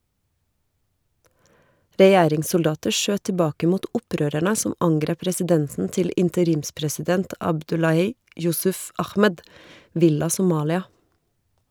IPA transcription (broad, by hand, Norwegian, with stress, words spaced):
ɾɛˈjæːɾɪŋsʊlˌdɑːtəɾ ˈʃøː tɪˈbɑːkə ˈmuːt ˈʊˌpɾøːɾæɳə ˈsʊm ˈɑŋɡɾeːp ɾɛsɪˈdɛnsn̩ ˈtɪl ɪntəˈɾiːmspɾɛsɪˌdɛnt ɑbˈdʉlɑhiː ˈjʊsʉf ˈɑxmɛd ˈʋɪlɑ sʊˈmɑːlɪɑ